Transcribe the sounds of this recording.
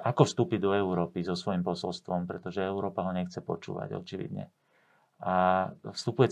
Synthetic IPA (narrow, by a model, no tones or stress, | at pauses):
akɔfst̪uːpid̪ɔɛʊɾɔːpizɔsʋɔjimpɔsɔlst̪ʋɔmpɾɛt̪ɔʒɛɛʊɾɔːpaɦɔɲɛxt͡sɛpɔ̰t͡ʃṵːʋa̰ɟɔ̰t͡ʃiʋḭd̪ɲɛ̰ | afst̪upujɛ